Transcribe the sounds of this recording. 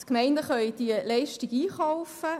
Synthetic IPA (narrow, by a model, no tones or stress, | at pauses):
tkmɛɪndəχœʏd̥̪iəlɛɪʃtiɡiːχɔʊfə